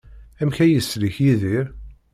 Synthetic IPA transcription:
æmçæjəsliçjiðiɾ

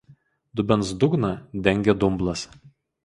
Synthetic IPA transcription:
d̪ʊbʲɛns̬d̪ʊɡnɐd̪ʲɛŋʲɡʲɛd̪ʊmblˠɐs

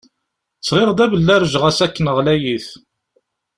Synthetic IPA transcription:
sʁeʁd̪æbəlːæɾʒʁæsækːənəʁlæjiθ

